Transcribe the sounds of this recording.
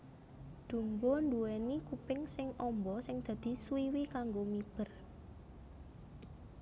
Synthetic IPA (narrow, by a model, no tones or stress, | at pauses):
d̪̥ṳmbɔnd̪uwenikupɪŋsɪŋɔmbɔsɪŋd̪̥ä̤d̪̥i̤swiwikaŋɡomib̥ər